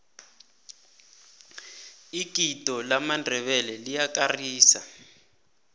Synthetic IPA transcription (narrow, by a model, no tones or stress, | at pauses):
ikitʼɔlamandʱɛβɛlɛlijakariːsa̰